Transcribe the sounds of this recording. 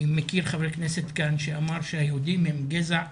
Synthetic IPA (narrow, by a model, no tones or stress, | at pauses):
mekiʁχavekneset̪kanʃeamaʁʃehajehud̪imhemɡezaʕ